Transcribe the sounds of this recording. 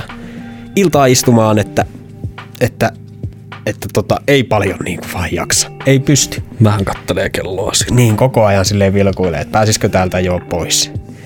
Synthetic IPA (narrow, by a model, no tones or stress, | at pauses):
ilt̪ɑːist̪umɑːnet̪ːæ | et̪ːæ | et̪ːæt̪ot̪ɑʔeˑipɑljonniːŋkuʋɑːjjɑ̰ksɑ̥eipyst̪y̥mnæhæŋkɑt̪ːeleːkelːo̰ːsi̥niːŋkokoɑjɑnsilːeʋilkuilːˑḛḛt̪pæːsiskøt̪æːlt̪æjoːpois